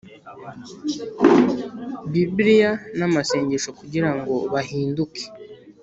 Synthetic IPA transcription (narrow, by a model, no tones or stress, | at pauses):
bibɾijanamase̞ːɲɟeʃo̞kuɟiɾaŋɡo̞βahiːnduke̥